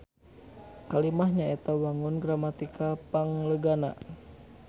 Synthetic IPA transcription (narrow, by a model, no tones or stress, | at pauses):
kalimaɦɲaɛt̪awaŋʊnɡɾamat̪ikʰapaŋləɡana̰